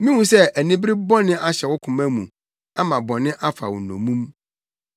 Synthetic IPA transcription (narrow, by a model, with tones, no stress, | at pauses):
mĩ˦wũ˨sɛ˦æ˨nĩ˦bɾɪ˦bɔ˦nɪ̃˦ʔa˦ɕɛ˨wʊ˦kʰʊ̃˨mæ̃˦mṵ̃˨ | a˦mã˨bɔ̃˨nɪ̃˦ʔa˦fa̰˨wʊ̰˨nɔ̰̃˨mũ˦m